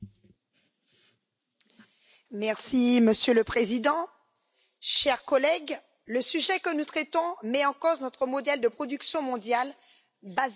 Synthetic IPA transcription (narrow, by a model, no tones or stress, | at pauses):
mɛʁsiməsjøləpχezid̪ɑ̃ | ʃɛʁkɔlɛɡ | ləsyʒɛkənut̪χɛt̪ɔ̃mɛɑ̃koznɔt̪χəmɔd̪ɛld̪əpχɔd̪yksjɔ̃mɔ̃d̪jal | baz